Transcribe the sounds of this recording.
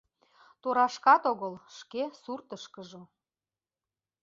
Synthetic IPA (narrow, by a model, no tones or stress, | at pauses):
t̪oɾɑʃkɑt̪oɣəlʃkesurt̪əʃkəʒo